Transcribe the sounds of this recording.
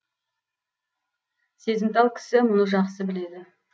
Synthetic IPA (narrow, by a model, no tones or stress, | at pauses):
se̞zɪmt̪ɑlˠkʲʰɪ̥sɪmʊnəʒɑqsəbɪle̞d̪ɪ